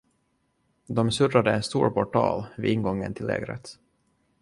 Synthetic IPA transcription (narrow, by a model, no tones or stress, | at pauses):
d̪ɔmsɵrad̪əɛnst̪uːɾpʰɔʈʰɑ̰ːlvɪɪnɡɔŋːənt̪ʰɪlːḛːɡɾə̰t̪